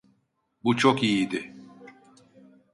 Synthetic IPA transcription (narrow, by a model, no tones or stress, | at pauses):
but͡ʃʰokijid̪ɪ